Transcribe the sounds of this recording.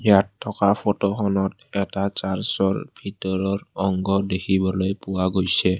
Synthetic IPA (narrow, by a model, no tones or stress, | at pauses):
jatʰːɔkapʰɔtɔxɔnɔt̚ | ɛtat͡ʃaɹsɔɹbʱitɔɹɔɹɔŋɡɔdekʰibɔlojpʊwaɡojsɛ